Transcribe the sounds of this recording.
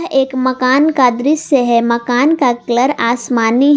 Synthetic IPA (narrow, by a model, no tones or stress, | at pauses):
ɦeːkmɐkaːnkad̪ɾɪsjəɦɛmɐkaːnkakləɾaːsmaːniɦ